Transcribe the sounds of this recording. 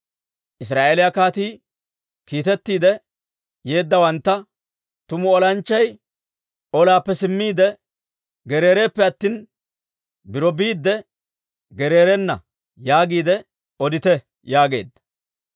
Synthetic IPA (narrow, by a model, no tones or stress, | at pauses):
ʔɪs̬ɾaːʔelɪjakaːt̪iː | kiːt̪ɛt̪ːiːd̪ɛ | je̞ːd̪ːɐwɐnt̪ːɐ | t̪ʊmʊɔlɐnt͡ʃːɐj | ɔlaːpːɛsɪmːiːd̪ɛ | ɡɛɾe̞ːɾe̞ːpːɛɐt̪ːiːn | bɪɾɔbiːd̪ːɛ | ɡɛɾe̞ːɾɛnːɐ̰ | jaːɡiːd̪ɛ | ɔd̪ɪt̪ɛ | jaːɡe̞̰ːd̪ːɐ̥